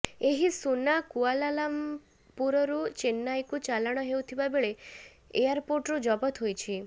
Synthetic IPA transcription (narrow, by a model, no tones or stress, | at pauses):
eɦisunakualalam | puɾɔɾut͡ʃenːajkut͡ʃalaɽ̃ɔɦewt̪ʰibabeɭe | ejaɾpoɾʈɾud͡ʒɔbɔt̪ɦojt͡ʃʰi